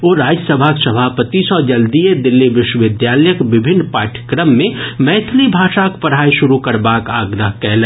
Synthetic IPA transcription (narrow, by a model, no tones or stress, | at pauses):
oːɾaːd͡ʒəsəbʱaksəbʱaːpət̪isɔːd͡ʒɐld̪ied̪ɪlːiʋɪʃwəʋɪd̪jaːləjəkʋɪbʱɪnːpaːɾʈʰjə̥kɾəmːẽmɛːt̪ʰlibʱaːʃakpəɾɦaːiʃʊɾukəɾbaːkaːɡd̪əɦkɛɦlɛ